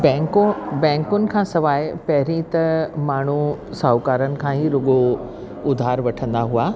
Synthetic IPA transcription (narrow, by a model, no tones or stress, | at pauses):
bɛ̃kbɛ̃ːŋkʊnɪ̆kʰãːsɐʋaːɪpɐɦɪɾĩt̪ɐmaːɳ̤usaːʊkaːɾənɪ̆kʰãɦiɾʊɠo | ʊd̪ʱaːɾʋɐʈʰə̃nd̪aɦuaː